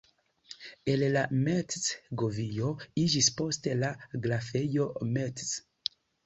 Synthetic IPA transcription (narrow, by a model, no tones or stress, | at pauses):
e̞llametsɡovijo̞id͡ʒispo̞ste̞laɡlafe̞jo̞mets